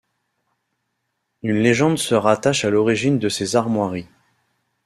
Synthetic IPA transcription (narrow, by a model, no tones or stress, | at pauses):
ynleʒɑ̃d̪səʁat̪aʃalɔʁiʒind̪əsezaʁmwaʁi